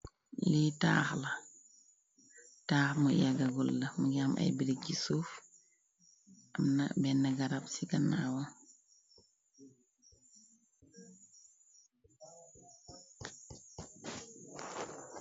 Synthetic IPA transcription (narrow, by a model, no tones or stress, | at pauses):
lita̰ːxlɐ | taːxmujaɡɐɡulːɐmuɡamʔɐ̰jbiɾik̚ɟisuːf | ʔamnabɛnːɐɡɐɾabsiɡɐnaːwa